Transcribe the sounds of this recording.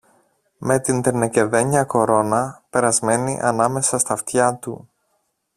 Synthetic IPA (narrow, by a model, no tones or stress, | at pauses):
me̞t̪int̪enece̞ðe̞ɲɐko̞ɾo̞nɐpe̞ɾɐzme̞nḭʔɐnɐme̞sɐst̪ɐft̪çɐt̪ṵ